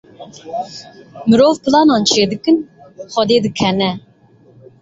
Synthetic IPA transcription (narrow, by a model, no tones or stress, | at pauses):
mɨɾoːvpʰɨlɑːnɑːnt͡ʃʰeːd̪ɨkɨnχɛd̪eːd̪ɨkʰɛnɛ